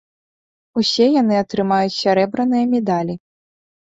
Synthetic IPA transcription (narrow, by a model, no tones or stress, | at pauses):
usʲɛjan̪ɨɐt̪ɾɨmajut͡sʲsʲaɾɛbɾɐnɨjɐmʲɛd̪alʲi